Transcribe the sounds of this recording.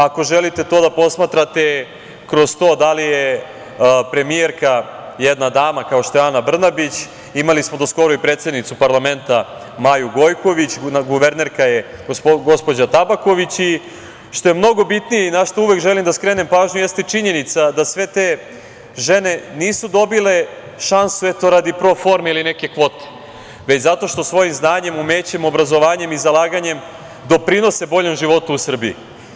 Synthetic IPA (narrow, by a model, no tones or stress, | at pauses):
ako̞ʒelit̪e̞t̪o̞ːd̪apo̞smat̪ɾat̪e̞ | kɾo̞st̪o̞ːd̪alije | pɾe̞mijeɾkajed̪nad̪aːmakao̞ʃt̪oeanabr̩nabit͡ɕ | imalismod̪osko̞ɾoipɾet̪sje̞d̪nit̪supaɾlame̞nt̪a | majuɡo̞jko̞ʋit͡ɕnɡuʋe̞ɾneɾkaje | ɡo̞spo̞d͡ʑat̪abako̞ʋit͡ɕi | ʃt̪o̞jemno̞ɡo̞bit̪nijeinaʃt̪ouʋe̞kʒe̞limd̪askɾe̞ːne̞mpaːʒɲujest̪et͡ʂiɲe̞nit̪sad̪asʋe̞t̪e | ʒene̞niːsud̪o̞bile̞ | ʃansuet̪o̞ɾad̪ipɾo̞fo̞ɾmeiline̞ke̞kʋo̞t̪e̥ | ʋet͡ɕzat̪o̞ʃt̪o̞sʋo̞jimznaːɲe̞mume̞ːt͡ɕe̞mo̞bɾazo̞ʋaːɲe̞mizalˠaːɡaɲe̞m | d̪o̞pɾino̞se̞bo̞ʎo̞mʒiʋo̞t̪uːsr̩biḭ